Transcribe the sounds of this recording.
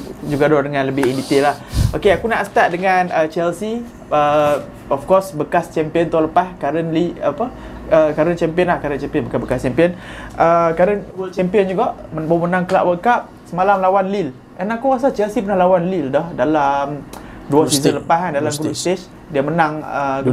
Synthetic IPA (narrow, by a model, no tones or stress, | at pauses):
d͡ʒuɡadɔhdəŋãnləbɪindit̪ɪlahʔokeakunaʔsə̥t̪at̪̚dəŋanət͡ʃɛlsi | ə | ɔfkɔsbəkast͡ʃɛmpiənt̪aləpaskaɾənliapə | əkaɾənt͡ʃɛmpiənlahkaɾənt͡ʃɛmpiənbəkabəkast͡ʃɛmpiənʔəkaɾənt͡ʃɛmpiənd͡ʒuɡaʔbamənãŋkəla̰ʔwəkap̚səmalamlawanlil | ʔɛnakuɣas̬at͡ʃɛlsipənahlawanlildɔhdalamduafizələpaɦandalamkuluʔst̪et͡ʃ | diəmənãŋə̰